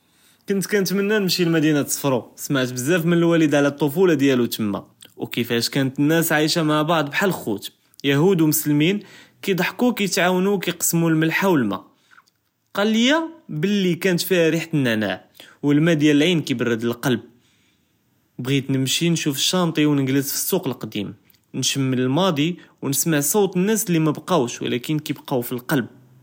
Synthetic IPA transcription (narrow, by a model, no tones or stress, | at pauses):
kʊnt̪kænət̪mənːænəmʃilmæd̪inæt̪sˤfɾˤusmaʕt̪bəzːæfmənəlwælid̪ʕlæt̪ˤːofulɑd̪jælut̪əmːa̰wkəfæʃkænət̪ənːæsʕajʃamaʕbɑʕd̪ˤbħalxṵt̪ | jæɦud̪umʊslminkijd̪ˤɑħkukæjət̪ʕawnukijqə̥sːmulməlħawəlmæ̰ | qɑlːəjːabəlːikænət̪fihæɾiħt̪ənːæna̰ʕwəlmæd̪jælʕinkibərːəd̪əlqɑlb̚ | bɣit̪nəmʃinʃufə̥ʃːɑnt̪ˤiwnəɡləsfi̥sːuqəlqd̪ḭm | nʃəmːələlmɑd̪ˤiwnəsməʕsˤɑwt̪ˤənːæslimæbqɑwʃwə̰lækənkibqɑwfilqɑlb̚